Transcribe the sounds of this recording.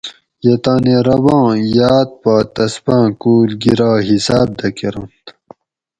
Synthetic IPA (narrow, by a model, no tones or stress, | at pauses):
jet̪aːneɾɐbɑ̃ːjaːt̪̚paːt̪ɐspãːkuːlɡiɾaːɦisaːb̚d̪ɐkeɾɐ̃nt̪